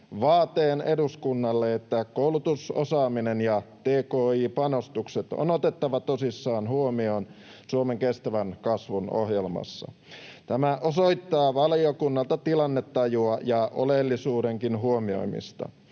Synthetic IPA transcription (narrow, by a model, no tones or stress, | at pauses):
ʋɑːt̪eːne̞duskunːɑlːeet̪ːækoulut̪uso̰sɑːminenjɑt̪eːkoːiːpɑno̞st̪ukset̪o̰not̪et̪ːɑʋɑt̪osisːɑːnɦuomio̞ːn | suomeŋkest̪æʋænkɑsʋuno̰ɦjelmɑ̰sːɑ̰ | t̪æmæʔoso̞it̪ːɑːʋɑliokunːɑlt̪ɑt̪ilɑnːet̪ːɑjuɑjɑʔolelːisuːde̞ŋkinɦuomio̞̰imḭst̪ɑ̰